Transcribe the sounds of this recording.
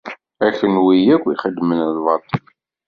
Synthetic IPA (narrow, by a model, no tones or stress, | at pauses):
æçənwijækʷːiχəd̪ːmənðvɑɾt̪ˤ